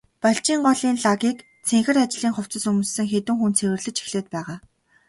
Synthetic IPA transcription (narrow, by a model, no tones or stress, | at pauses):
paɬt͡ɕiːɴɢɔɮiːnɮaɣiːk | t͡sʰeŋxɘ̆rat͡ɕɮiːŋχʊw̥t͡sə̆sɵmusːɘ̆ŋxet̪ɘ̆ŋxunt͡sʰewɘ̆rɮɘ̆t͡ɕi̥xɮeːt̪̚pæːʁaː